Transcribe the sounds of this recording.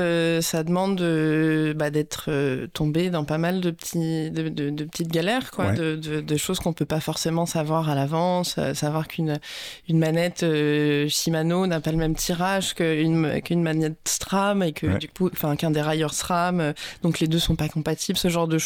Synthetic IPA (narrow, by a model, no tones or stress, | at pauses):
øsad̪əmɑ̃d̪d̪əbad̪ɛt̪χøt̪ʰɔ̃bed̪ɑ̃pamald̪əpət̪ʰid̪əd̪əd̪əpət̪it̪ɡʲalɛʁkwad̪əd̪əd̪əʃozkɔ̃pøpafɔʁsemɑ̃savwaʁalavɑ̃sø̰savwaʁkʰynynmanɛt̪øʃimanonapaləmɛmt̪ʰiʁaʒkəyn̰kynmanɛt̪̚əst̪χamekʰəd̪ykũfɛ̃kɛ̃d̪eʁajœʁst̪χamød̪̥ɔ̃kled̪øsɔ̃pakɔ̃pat̪iblsəʒɑ̃ʁd̪əʃ